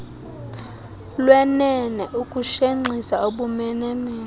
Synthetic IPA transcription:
lwɛnɛnɛʔukʼuʃeŋ͡ǀʱisauɓumɛnɛmɛː

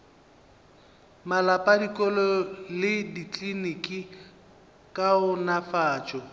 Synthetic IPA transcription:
malapʼadikʼɔlɔlɪdikʼlinikʼi | kʼaʊnafaːt͡ʃʼɔ

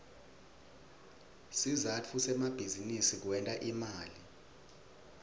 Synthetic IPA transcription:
sizat͡fʰusɛmab̥ʱizinisik̬wɛntʼaʔimaːli

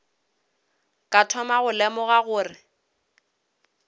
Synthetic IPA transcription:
kʼatʰɔmaɣʊlɛmɔɣaɣʊːrɪ

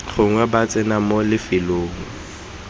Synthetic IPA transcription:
χʊŋwɛbat͡sʼɪnamolɪfɪloːŋ̩

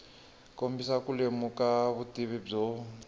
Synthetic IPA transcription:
kombisakulemukaβutʼiβib͡ʐɔ

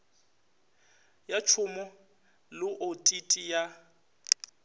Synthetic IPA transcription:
jat͡ʃʰʊmɔ | lɪʔotʼitʼija

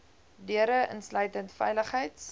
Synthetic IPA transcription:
dyəɾəʔə̰nslœɥtəntfɛ̰jləχɦəjt

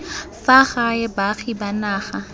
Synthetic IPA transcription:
faχajɛbaχibanaːχa

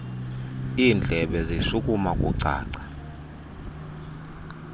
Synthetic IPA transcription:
iːnd͡ɮʱɛɓɛziʃukʼumakʼṵǀʱa̰ːǀḁ

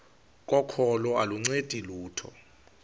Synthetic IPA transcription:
k̬ʼɔkʰɔlɔaluŋ͡ǀed̥ʱiluːtʰɔ̰

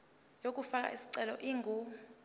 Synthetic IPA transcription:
jok̬ʼufak̬ʼa̰ʔisi̥ǀɛlɔʔiːŋɡʱu

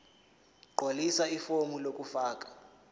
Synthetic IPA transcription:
ǃolisaifomulokʼufaːkʼḁ

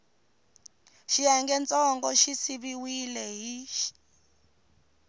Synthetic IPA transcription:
ʃijaŋɡɛnt͡sʼɔŋɡɔʃisiβiwilɛɦiʃi̥

